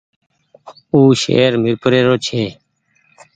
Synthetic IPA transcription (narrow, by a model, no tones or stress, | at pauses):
uːʃḛːɾmɪɾpəɾeːɾoːt͡ʃʰeː